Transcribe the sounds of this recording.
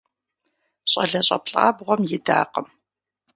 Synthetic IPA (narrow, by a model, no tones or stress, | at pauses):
ɕʼɐɮɐɕʼɐ̰pɬʼa̰ːbʁʷɔmjɪda̰ːqəm